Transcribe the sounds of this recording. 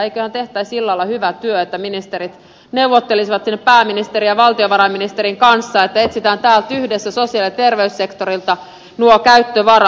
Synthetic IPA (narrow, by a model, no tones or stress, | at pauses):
eikøhænt̪eht̪æːsilːɑilːɑhyʋæt̪yøet̪ːæminist̪eɾit̪ | neuʋot̪ːelisiʋɑt̪sinːeppæːminist̪eɾijɑʋɑlt̪ioʋɑɾɑminist̪eɾiŋkɑnsːɑet̪ːæet̪sit̪æːnt̪æːlt̪yhdesːæsosiɑlit̪erʋeysːekt̪oɾilt̪ɑ | nuokæyt̪ːøʋɑrɑ